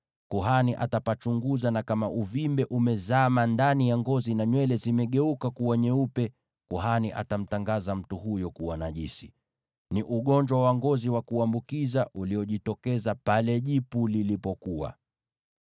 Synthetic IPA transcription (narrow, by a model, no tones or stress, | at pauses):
kuɦaniʔa̰tapat͡ʃuŋɡuzanakamaʔuvimbɛʔumɛzamandanijaŋɡɔzinaɲwɛlɛzimɛɠɛukakuwaɲɛupɛ | kuɦaniʔa̰tam̩taŋɡazam̩tuhujɔkuwanaʄisi | niʔuɠɔɲd͡ʒwawaŋɡɔziwakuambukizaʔuliɔʄitɔkɛzapalɛʄipulilipɔkuwa̰